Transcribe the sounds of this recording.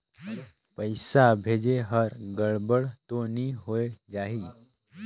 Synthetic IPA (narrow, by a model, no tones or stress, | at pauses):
pəjsabʱeːd͡ʒeɦəɾɡəɭbəɽt̪oniɦoed͡ʒaɦi